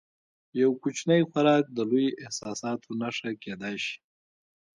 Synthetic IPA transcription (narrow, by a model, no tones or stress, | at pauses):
jawkut͡ʃnəjxaɾɑk̚d̪əlujiʔɪhsɑsɑt̪ʰonaʂaked̪ajʃi̥